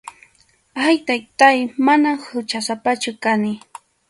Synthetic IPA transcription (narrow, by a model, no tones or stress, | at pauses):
ajt̪ajt̪ajmanahʊt͡ʃasapat͡ʃʊkanɪ